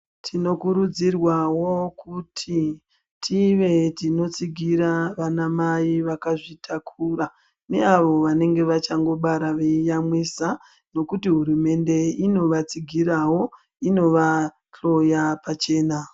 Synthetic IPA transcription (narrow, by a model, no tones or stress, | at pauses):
tʰino̞kuɾud͡zirwawo̞kutʰi | tʰiʋe̞tino̞t͡siɡʱiɾaʋanamaiʋakaʐitʰakʰura | ne̞aʋo̞ʋane̞ŋɡe̞ʋat͡ʃaŋɡo̞ɓaɾaʋejamwisa | no̞kutiɦuɾume̞nde̞ino̞ʋat͡siɡʱirawo̞ | ino̞ʋa | ɬo̞japat͡ʃe̞ːna